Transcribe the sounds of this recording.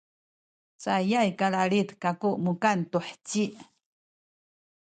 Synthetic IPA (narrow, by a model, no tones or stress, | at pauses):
t͡sajajkaɭaɭit̪kakuʔmukantuħt͡ɕiʔ